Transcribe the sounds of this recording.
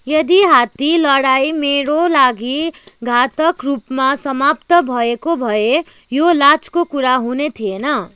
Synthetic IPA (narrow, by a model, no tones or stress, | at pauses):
jʌd̪iɦat̪ilʌɽajmeɾolaɡiɡʱat̪ʌkrupmasʌmapt̪ʌbʱʌekobʱʌe | jolat͡skokuɾaɦunet̪ʰienʌ